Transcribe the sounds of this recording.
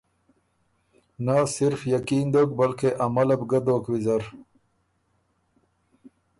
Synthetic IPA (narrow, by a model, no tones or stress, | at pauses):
nasɪɾfjakiːnd̪oːk̚bɐlkeʔɐmɐlɐbɡɐd̪oːkwizɐɾ